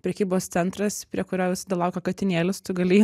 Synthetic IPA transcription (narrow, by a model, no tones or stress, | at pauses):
pʲɾʲɛkʲiːboːst̪sʲɛnt̪ɾɐspʲɾʲiɛkʊɾʲoːʋʲɪsɐd̪ɐlˠɐʊkɐkɐt̪ʲɪnʲeːlʲɪst̪ʊɡɐlʲiː